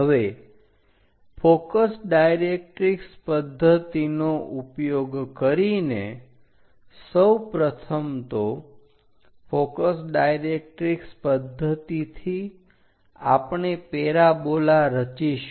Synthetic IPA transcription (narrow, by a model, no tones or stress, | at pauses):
ɦəʋe | fokəsɖajɾek̚ʈɾikspəd̪ʱːət̪inoʔupjoɡkəɾine | səwpɾət̪ʰəmt̪o | fokəsɖajɾek̚ʈɾikspəd̪ʱːət̪it̪ʰi | a̰pɳepeɾabolaɾət͡ʃiʃ